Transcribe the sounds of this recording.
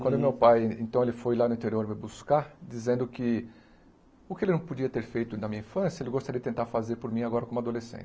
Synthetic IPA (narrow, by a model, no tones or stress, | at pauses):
kwɐ̃nd̪ʊmewpajẽnt̪ɐ̃w̃elɪfojlanʊĩt̪eɾioɾmɪbuskad͡ʒizẽnd̪ʊkɪ | ʊkɪelɪnɐ̃w̃pod͡ʒiɐt̪eɾfejt̪ʊnɐmĩɲɐĩfɐ̃sjɐelɪɡost̪aɾijd͡ʒɪt̪ẽnt̪aɾfazeɾpʊɾmĩaɡɔɾɐkõmʊad̪olesḛ̃nt͡ʃɪ̥